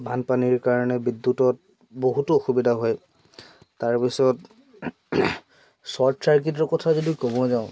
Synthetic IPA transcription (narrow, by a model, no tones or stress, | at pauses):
bʱanpaniɹkaɹɔnɛbidːutɔt̚ | boɦutʊoxubidʱaɦɔj | taɹpisɔt | sɔtʰɹaɹkit̬ɔɹkɔtʰazodikɔbɔzaʊ̃